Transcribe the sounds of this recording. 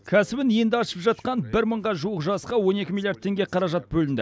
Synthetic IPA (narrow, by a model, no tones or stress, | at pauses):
kʲʰæsɪbɪnijɪnd̪ɪɑʃəpʒɑt̪̚qɑnbɪɾməɴʁɑʒuwəqʒɑsqɑwo̞ne̞kʲɪmilˠjaɾd̪t̪ʰːe̞ŋɡʲe̞qʰɑɾɑʒɑt̪̚bɵlɪnd̪ɪ